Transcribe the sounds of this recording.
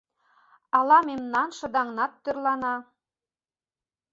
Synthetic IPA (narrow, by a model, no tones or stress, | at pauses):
ɑlˠɑmemnɑnʃɤ̆d̪ɑŋnɑt̪ːørlɑnɑ